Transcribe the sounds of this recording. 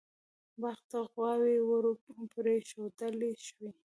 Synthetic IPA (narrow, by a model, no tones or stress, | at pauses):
baxt̪aɣwɑwewəɾopɾeʃod̪əleʃwi